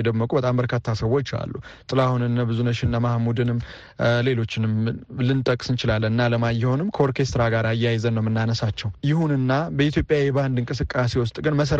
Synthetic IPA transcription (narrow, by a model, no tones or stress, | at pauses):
d̪əmːəkʼubət̪ʼambəɾkʰat̪ʰːasəwo̞t͡ʃːa̰lːut̪ʼɨlahunɨnːabɨzunəʃɪnːamahmud̪ɨnɨmː | le̞lo̞t͡ʃːɪnɨmlɨnt̪ʼəkʼsɨnt͡ʃɪlalːənɨnːaləmajːɪhonɨmkʰoɾkʰe̞st̪ɾaɡaɾajːajzənːəwmɨnːanəsat͡ʃːɛwjɪhunɨnːabəit̪ʰjo̞pʼjajɛband̪ɨŋkʼɨsɨkʼːasewɔst̪ʼɡɨnməs̬əɾ